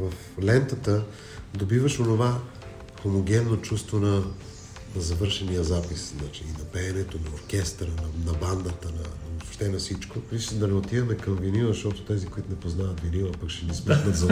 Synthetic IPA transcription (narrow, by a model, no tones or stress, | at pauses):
vɐf | lɛnt̪ət̪ə | d̪obivəʃonova | xomoɡʲɛnːot͡ʃust̪vonɐ | nɐzɐvɤɾʃɛnijəzapisznat͡ʃiːnɐpɛːnɛt̪onɐoɾkʲɛst̪ɾənɐnɐband̪ət̪ənɐnosʃt̪ɛnɐfsit͡ʃkovisd̪ɐnɛot̪ivɛmɛkɐmviniməʃt̪ɔt̪o̥t̪ɛzikoit̪ʊnɛpoznavɐt̪viniməpɐkʃɛnismixnət̪zɐ